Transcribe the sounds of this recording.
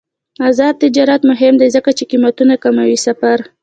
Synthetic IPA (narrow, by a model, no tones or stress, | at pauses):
azɑd̪̚t̪ɪd͡ʒɑɾat̪mʊɦɪmd̪ezəkat͡ʃeqimat̪unakamawisafaɾ